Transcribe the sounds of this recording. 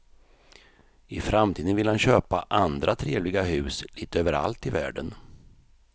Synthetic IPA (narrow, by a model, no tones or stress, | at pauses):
ɪfɾamt̪ʰiːd̪ənvɪlhanɕøːpaʔand̪ɾat̪ʰɾeːvlɪɡaɦʉ̟ːsliːt̪əøːvəɾa̰lt̪ɪvæ̰ːɖən